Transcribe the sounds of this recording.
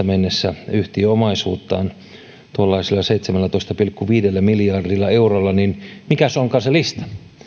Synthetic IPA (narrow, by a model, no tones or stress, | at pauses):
ɑmenːesːæyht̪iomɑisṵːt̪ːɑ̰ːn | t̪uolːɑisilːɑseit̪semælːæt̪oist̪ɑpilkːuʋiːdelːæmilijɑrdilːɑeurolːɑninmikæsoŋkɑːselist̪ɑ̥